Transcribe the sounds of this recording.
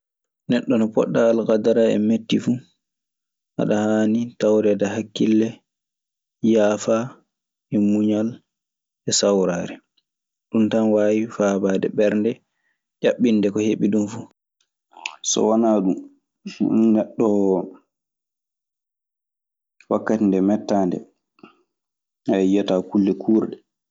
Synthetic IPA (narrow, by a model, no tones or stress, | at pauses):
nɛɗːɔnɔpɔ̰ɗːaːlkadaɾaɛ̰metːifu | ha̰ɗahaːnitawɾɛdahakːilːɛ | jaːfa | ɛmuɲal | ɛsawɾaːɾɛ | ɗumtanwaːwifabaːdɛɓɛɾndɛ | d͡ʒaɓːinːdɛkɔheɓiɗumfu | sɔ̰wanaːɗum̰ | nɛɗːɔ | wakːatindɛmɛtːaːndɛ̰ | ajatakulːɛkʰuːɾɗɛ